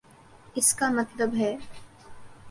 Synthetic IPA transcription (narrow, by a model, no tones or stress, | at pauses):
ɪskamɐt̪ləbɦɛː